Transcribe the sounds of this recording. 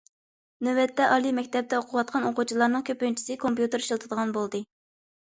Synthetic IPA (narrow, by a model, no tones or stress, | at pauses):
nøwɛt̪ʰːɛʔɑlˠimɛkʲt̪ʰɛp̚d̪ɛoqʰʊwɑt̪̚qʰɑnoqut͡ʃʰilˠɑɾnɨŋkʲʰøpynt͡ʃʰi̥sɨkʰompjut̪ɨɾiʃɨlˠt̪ʰɨd̪əʁɑnbolˠd̪ɨ